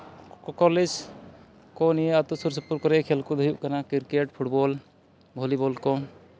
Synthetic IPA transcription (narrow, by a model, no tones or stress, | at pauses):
kɔkɔled͡ʒ | kɔniat̪usuɾsɔpuɾkɔɾɛkʰɛlkɔd̪ʱujuʔkanakiɾkeʈpʰuʈbɔl | bʱɔlibɔlkɔ